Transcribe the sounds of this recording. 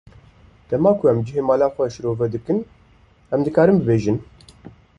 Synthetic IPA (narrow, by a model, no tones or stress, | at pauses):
d̪̥ɛmɑːkʰʊɛmd͡ʒɨɦeːmaːlaːxʷɛʃɨɾoːvɛd̪ɨkɨn | ɛmd̪ɨkaːɾɨmbɨbeːʒɨn